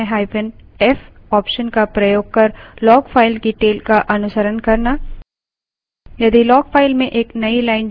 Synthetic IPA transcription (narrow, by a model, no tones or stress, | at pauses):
ẽɦaːɪpənɛfɔːpʃənkapɾɐjoːɡ̚kɐɾlɔːɡfʰaːɪlkiʈeːlkaʔɐnʊsəɾənkɐɾna | jɐd̪ilɔːɡfʰaːɪlmẽʔeːknɐilaːɪn